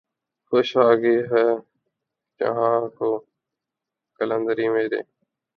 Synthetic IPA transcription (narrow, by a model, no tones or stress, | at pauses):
xoʃaːɡiːɦɛː | d͡ʒə̰ɦãːkoː | kələnd̪əɾiːmẽːd̪ḛ̃ː